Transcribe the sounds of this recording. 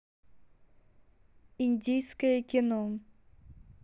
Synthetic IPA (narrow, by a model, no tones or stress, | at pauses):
inʲdʲijskəjəkʲɪno